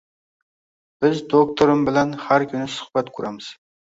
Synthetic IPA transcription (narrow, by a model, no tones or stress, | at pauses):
b̥ɪzd̪ok̚t̪ʰoɾɪmbɪlanhaɾkʲʰynɪsʊ̥χb̥at̪kʰʊɾamɪz̥